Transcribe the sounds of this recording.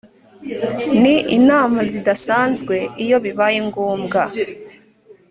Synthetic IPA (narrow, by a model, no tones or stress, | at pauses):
niʔinaːmazidasaːnzɡwe̞ijo̞βiβajiŋɡuːmɡa